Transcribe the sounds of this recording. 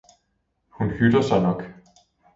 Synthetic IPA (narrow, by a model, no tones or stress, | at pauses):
hunhyd̥ɐsɑ̈ɪnɒ̽ɡ̥